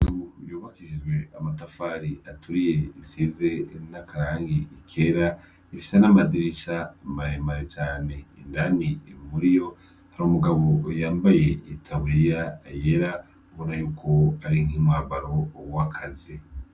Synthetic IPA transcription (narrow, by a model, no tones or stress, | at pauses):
tujoːβakiʒid͡ʒɡwe̞amatafaːɾiatuɾije̞isiːzenakaɾaːŋɡiikʰeːɾa | ifi̥senamadiɾiʃamaɾemaɾet͡ʃaːne̞ːndanimuɾijo̞ | aɾumuɡaβo̞jaːmbaje̞itʰaβijajeɾa | uβo̞najuːkʰo̞aɾiŋimwaβaɾo̞wakʰazi